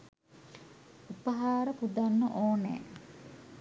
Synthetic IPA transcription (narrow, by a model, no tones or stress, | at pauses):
upəɦaːɾəpud̪anːəʔoːnḛː